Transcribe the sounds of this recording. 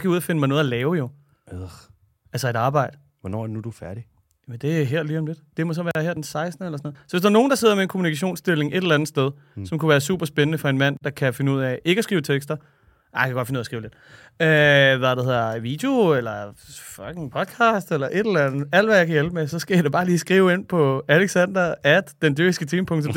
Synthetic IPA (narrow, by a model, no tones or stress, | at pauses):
sɡ̥æjuðˠɐfe̝nəmɑ̈no̽ðˠælɛːʊjo̝ | ælsɐe̝ɾ̥ɑ̈ːb̥ɑ̈ɪ̰d̥ə | ʋɒnɒ̰ːædnud̥ufæɐɾ̥i | jæmənd̥e̝æɦeɐ̰liːɒ̽mle̝d̥d̥e̝mɒ̽s̬ɒʋæːɐhæɐ̰d̥ensɑ̈ɪsd̥nəelɐsɒnð̩ˠsɒ̽ʋesd̥æɐno̝ːn̩d̥ɑ̈se̝ð̰ˠɐmeenkʰo̝munikʰæɕ̬o̝̰ːnsd̥ele̝ŋʔe̝ɾelænð̩sd̥eð̞ˠ | sɒ̽mkuʋæːɐsṵːb̥ɐsb̥enənəfɒ̽e̝nmæn̰d̥ɑ̈kʰæfe̝nəuð̰ˠɛe̝ɡ̥əsɡ̥ʁiːʊt͡sʰeɡ̥sd̥ɐ | ʔɑjkʰæɡɒ̽d̥fe̝nuð̰ˠsɡ̥ʁiːʊle̝d̥ | øʋæd̥ehe̝̰ɐʋiːd̥jo̝elɐfɒɡ̥eŋpʰɒ̽d̥̚kʰɑ̈ːsd̥elɐʔe̝dɾ̥ellænð̩ˠæl̰d̥ʋæjɑ̈ɪkʰæjelb̥əmesɒ̽sɡ̥æjad̥eb̥ɑ̈ːliːsɡ̥ʁiːʊe̝n̰pʰɒ̽æleɡ̥sænd̥ɐæd̥d̥end̥yɡ̥isɡ̥ət͡sʰiːmpʰɔ̽ŋt͡sʰɔm̥